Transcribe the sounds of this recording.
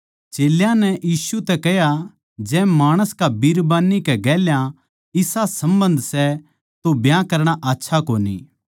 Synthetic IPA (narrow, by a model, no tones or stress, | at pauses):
t͡ʃeːljãnɛjiːsut̪ɛkɛɦja | d͡ʒɛːmaːɽ̃əskabiɾbaːnːikɛɡɛːljã | ɪsasɐ̃mbə̃nd̪sɛ | t̪objãkɐɾɽ̃aʔaːtːʃʰakoːnḭː